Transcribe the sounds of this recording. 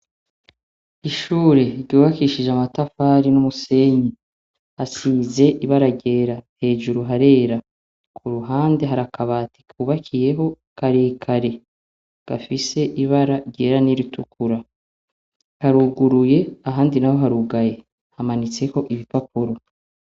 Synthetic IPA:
iʃuːɾe̞ɾɟuːβakiʃiʒamatafaːɾinumuse̞ɲi | hasiːze̞ʔiβaɾaɟe̞ːɾahe̞ːʒuɾuɦaɾe̞ːɾa | kʰuɾuɦaːnde̞ɦaɾakaβaːti̥kuːβakʰije̞ɦo̞ | kaɾiːkʰaɾe̞ | ɡ̥afise̞ʔiβaɾaɟe̞ːɾaniɾitukuɾa | haɾuɡuɾuje̞aɦaːndinaho̞ɦaɾuɡaje̞ | hamanit͡se̞ho̞ʔiβipapuɾo

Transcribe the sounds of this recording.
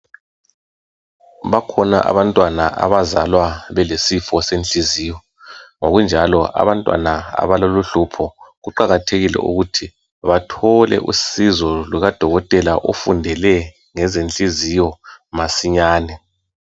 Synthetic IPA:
βakʰɔna̰ʔa̰βantʼwanaʔa̰βazalwaβɛlesifɔsent͡ɬʼiziːjɔ | ŋoɣund͡ʒʱalɔʔa̰βantʼwa̰naa̰βaloluɬupʰɔɣuǃaɣatʰeɣilɛ̰ʔṵɣutʰi | βatʰɔlɛ̰ʔṵsizɔluɣad̥ʱɔɣɔtʼɛlaʔofundʱɛlɛ | ŋɛzent͡ɬʼizijɔmasiɲaːnɛ

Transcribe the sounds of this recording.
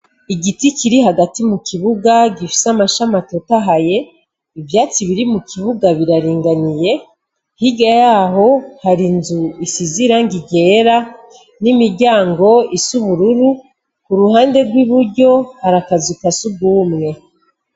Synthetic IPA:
iɡiticiɾiɦaɡatimukiβuɡaɟifi̥samaʃamatotaɦaje̞ | ivjaːt͡siβiɾimukʰiβuɡaβiɾaɾiːŋɡanije̞ | hiɡajaɦo̞haɾinzuisiziɾaŋɡiɟe̞ɾa | nimiɾɟaːŋɡo̞isuβuɾuɾu | kuɾuhaːnde̞ɾɡwiβuɾɟo̞haɾakazikasub̚ɡuːmŋe̞

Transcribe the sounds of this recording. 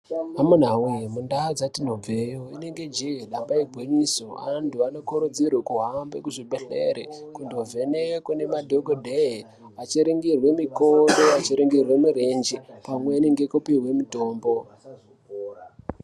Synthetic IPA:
amun̤awimundaad͡zatin̤ob͡vejoine̞ŋɡe̞d͡ʒiɦeɗambaiɡʱweɲisoa̰ntuano̞kuɾud͡zirwekuɦambekuʐiɓeɬḛɾekundovʱe̞nekune̞madʱoɡodʱe | at͡ʃiɾiŋɡirwe̞mikondoat͡ʃiɾiŋɡirwe̞miɾend͡ʒipamweineŋɡekupiwe̞mito̞ːmbo̞

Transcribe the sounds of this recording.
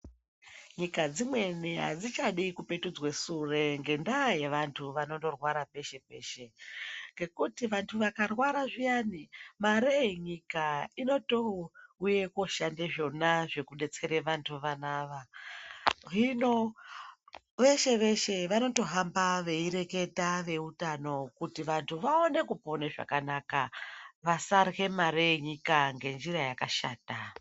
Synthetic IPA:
ɲikad͡zimwe̞neɦa̰d͡zit͡ʃaɗikupe̞tud͡zwesure̞ŋɡe̞ndaje̞ʋantʰuʋano̞ndo̞rwaɾape̞ʃe̞pe̞̰ːʃe̞ŋɡe̞kutiʋantʰuʋakarwaɾaʐijanimaɾeiɲikaino̞touje̞ko̞ʃandeʐo̞naʐe̞kune̞t͡se̞ɾeʋantʰuʋanaːʋa | ɦino̞ | ʋe̞ʃe̞ʋe̞ʃe̞ʋano̞to̞ɦambaʋe̞iɾe̞ke̞taʋe̞utano̞kutiʋantʰuʋao̞ne̞kupo̞neʐa̰kanakaʋasarɣe̞maɾeeɲikaŋɡe̞nd͡ʒiɾajakaʃa̰ːta

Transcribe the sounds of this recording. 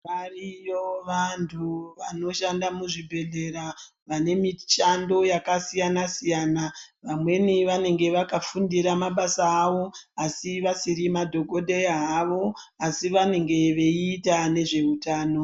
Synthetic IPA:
arijoʋantʰuʋano̞ʃandamuʐibʱe̞ɮe̞ɾa | ʋane̞mit͡ʃando̞jakasijanasijaːnaʋamwe̞niʋane̞ŋɡe̞ʋakafundiɾamaɓasaːʋo̞asiʋasiɾimadʱo̞ɡʱo̞ɗeaɦaʋo̞ | asiʋane̞ŋɡe̞ʋe̞iːtane̞ʐe̞utaːno̞

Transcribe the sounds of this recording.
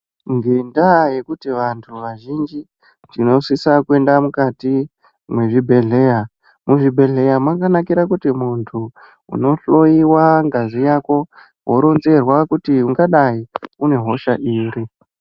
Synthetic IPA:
ŋɡendaje̞kutiʋantʰuʋaʒind͡ʒi | tino̞sisakue̞ndamukati | mwe̞ʐibʱe̞ɮe̞ja | muʐibʱe̞ɮe̞jamwakanakiɾakutimuntʰu | ṵno̞ɬo̞jiwaŋɡazijako̞ | wo̞ɾo̞nze̞rwakutiuŋɡaɗaiune̞ɦo̞ʃaʔiːɾi

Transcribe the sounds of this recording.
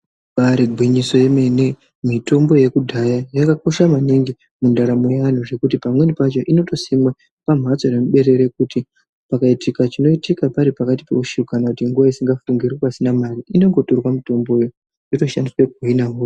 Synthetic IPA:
paɾiɡʱwiɲiso̞je̞me̞ne | mito̞mbo̞je̞kudʱajajakako̞ʃamaniŋɡi | mundaɾamojean̤uʐe̞kutipamwe̞nipat͡ʃo̞ʔino̞to̞simwa | pam̤at͡so̞nemuɓe̞ɾe̞ɾe̞k̚uti | pakaitikat͡ʃino̞itikapaɾipakati̥pe̞uʃikanakutiŋɡuʋaisiŋɡafuŋɡirwepasinamariːno̞ŋɡo̞torwamito̞mbo̞jo | joto̞ʃandiswekuinaɦuːo

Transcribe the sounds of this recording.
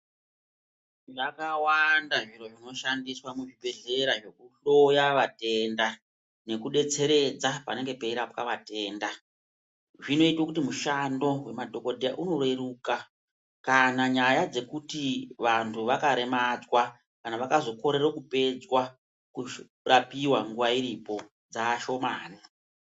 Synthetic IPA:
ʐakawandaʐiro̞ʐino̞ʃandiswamuʐibʱe̞ɮe̞ɾaʐe̞kuɬo̞jaʋate̞nda | ne̞kuɗe̞t͡se̞ɾe̞d͡zapa̰ne̞ŋɡe̞peiɾapkaʋate̞ːnda | ʐino̞itwakutimuʃando̞we̞madʱo̞kodʱeja̰ʔuno̞rweɾuːka | kanaɲajad͡ze̞kutiʋantʰuʋakaɾe̞mad͡zwa | kanaʋakazo̞ko̞ɾe̞rokupe̞d͡zwa | ku | rapiwaŋɡuʋaiɾipo̞ | d͡zaːʃo̞maːni

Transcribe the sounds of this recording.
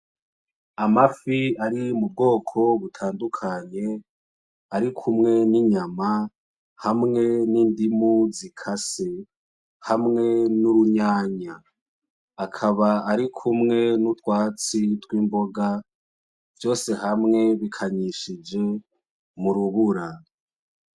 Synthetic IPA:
amafiaɾimub̚ɡo̞ːkʰo̞βutʰaːndukʰaɲe̞ | aɾikʰumŋe̞niɲama | hamŋe̞niːndimuzikʰase | hamŋe̞nuɾuɲaːɲaː | kʰaβaaɾikʰumŋe̞nutwaːt͡sitwiːmbo̞ɡa | vjo̞ːse̞hamŋe̞βikʰaɲiʃid͡ʒe̞ | muɾuβuɾa

